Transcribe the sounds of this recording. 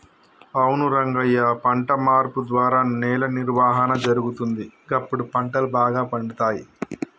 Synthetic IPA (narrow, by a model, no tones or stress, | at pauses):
ɐwnuɾɐŋɡɐjːɐpɐɳʈɐmaːɾpud̪ʋaːɾaːnɛːlɐniɾʋaːɦɐnɐd͡ʒɐɾuɡut̪und̪iɡɐpːuɽupɐɳʈɐlubaːɡaːpɐɳɖit̪aːji